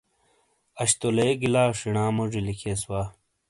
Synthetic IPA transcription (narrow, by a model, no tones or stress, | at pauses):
ɐɕt̪oleeɡilaːʂiɳaːmoʐilikʰeswaː